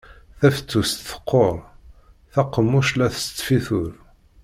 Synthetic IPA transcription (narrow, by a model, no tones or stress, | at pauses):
θæfə̥t͡sːust̪θə̥qʰːoɾˤ | θæqːəmːuʃlæθst͡s̪ːfiθʊɾ